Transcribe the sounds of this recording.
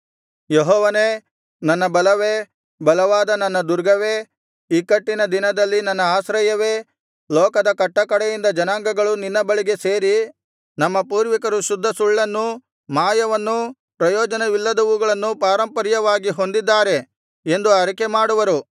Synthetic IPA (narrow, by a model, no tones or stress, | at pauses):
jeɦɔːʋɐneː | nɐnːɐbɐlɐʋe | bɐlɐʋaːd̪ɐnɐnːɐd̪uɾɡɐʋe | iːkɐʈːinɐd̪inɐd̪ɐlːinɐnːɐaːsɾɐjɐʋe̞ː | lɔːkɐd̪ɐkɐʈːɐkɐɽɛjind̪ɐd͡ʒɐnaːŋɡɐɡɐɭuninːɐbɐɭiɡe̞se̞ːɾi | nɐmːɐpuːɾʋikɐɾuʃud̪ʱːɐsuɭːɐnːu | maːjɐʋɐnːu | pɾɐjɔːd͡ʒɐneʋilːɐd̪ɐʋuɡɐɭɐnːupaːɾɐmpɐɾjɐʋaːɡiɦo̞nd̪id̪ːaːɾe̞ | end̪uɐɾikemaːɽuʋɐɾu